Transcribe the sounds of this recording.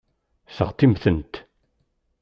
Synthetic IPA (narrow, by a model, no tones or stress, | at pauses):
sə̰ʁt̪ˤːimθənt̪